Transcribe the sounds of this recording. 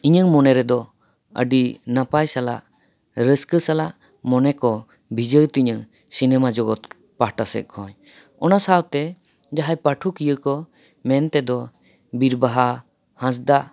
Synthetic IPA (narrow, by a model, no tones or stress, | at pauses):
iɲɯŋmɔnɛɾɛd̪ɔ | ə̰ɖinapajsala̰ʔ | ɾəskəsalaʔ | mɔnɛkɔ | bʱid͡ʒət̪iɲɯŋ | sinɛmad͡ʒɔɡɔt̪ | pahʈasɛ̰k̚kʰɔɲ | ɔnasawt̪ɛ | d͡ʒaɦajpaʈʰukijəkɔ | mɛnt̪ɛd̪ɔ | biɾbaɦa | hãs̬d̪a